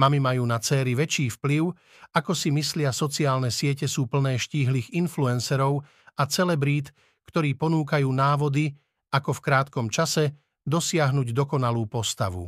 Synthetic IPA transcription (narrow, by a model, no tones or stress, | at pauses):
mamimajuːnat͡sɛːɾiʋɛt͡ʃiːfpliʊ | akɔsimislɪasɔt͡siaːlnɛsɪɛcɛsuːpl̩nɛːʃciːɦliːɣinfluɛnsɛɾɔʊ | at͡sɛlɛbɾiːt̪ | kt̪ɔɾiːpɔnuːkajuːnaːʋɔd̪i | akɔfkɾaːt̪kɔmt͡ʃasɛ | d̪ɔsɪaɦnuɟd̪ɔkɔnaluːpɔst̪a̰ʋṵ